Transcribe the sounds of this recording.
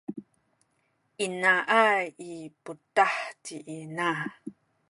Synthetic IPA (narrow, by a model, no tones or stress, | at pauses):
ʔinaʔaiputaħtiʔina